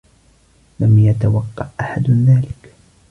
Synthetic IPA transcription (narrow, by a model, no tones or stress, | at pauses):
lamjat̪awɑqːɑ̰ʔʔaħad̪ðaːlɪk